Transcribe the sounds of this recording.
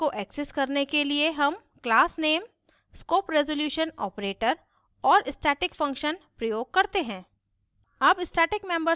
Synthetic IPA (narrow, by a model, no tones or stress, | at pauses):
oʔɛːkseskɐɾnekelieɦɐm | klaːsneːm | skoːpɾɛzoljuːʃənɔ̰ːpɾeːʈəɾ | ɔːɾɪsʈɛːʈɪkfɐ̃ŋkʃənpɾɐjoːɡ̚kɐɾt̪eɦɛ̃ː | ɐbɪsʈɛːʈɪkmẽmbəɾ